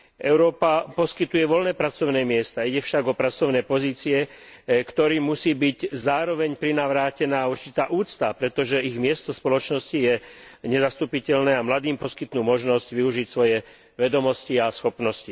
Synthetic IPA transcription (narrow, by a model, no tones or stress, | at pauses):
ʔɛʊɾɔːpapɔskit̪ujɛʋɔlnɛːpɾat͡sɔʊnɛːmɪɛst̪aiɟɛfʃaɡɔpɾat͡sɔʊnɛːpɔziːt͡siɛ | kt̪ɔɾiːmusiːbiɟzaːɾɔʋɛɲpɾinaʋɾaːcɛnaːuɾt͡ʃit̪aːʔuːt͡st̪apɾɛt̪ɔʒɛiɣmɪɛst̪ɔspɔlɔt͡ʃnɔscijɛɲɛzast̪uːpicɛʎnɛːamlad̪iːmpɔskit̪nuːmɔʒnɔzɟʋiuʒicsʋɔjɛ | ʋɛd̪ɔmɔsciasxɔpnɔsci